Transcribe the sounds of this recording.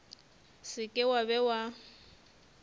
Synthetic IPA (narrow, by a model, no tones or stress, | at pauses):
sɪkʼɪwabɛwa